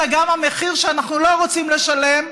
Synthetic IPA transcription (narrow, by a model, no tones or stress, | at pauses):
aɡamameχiʁʃeanaχnulo̞ʁot͡simleʃale̞m